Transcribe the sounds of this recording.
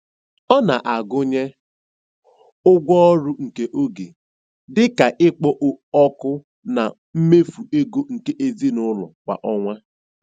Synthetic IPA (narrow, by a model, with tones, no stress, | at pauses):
ɔ˦na˨ʔa˨ɡʊ˦ɲe˦ | ʊ˦ɡʷɔ˦ɾu˦ŋ̩˨ke˦ʔo˦ɡe˨ | dɪ˦ka˨ʔɪ˦k͡pɔ˦ʔɔ˦kʊ˦ | na̰˨ | m̩˦me˦fu˨e˦ɡo˦ŋ̩˨ke˦ʔe˦zi˦nʊ˦lɔ̰˨kʷa̰˨ʔɔ˦ŋʷa˦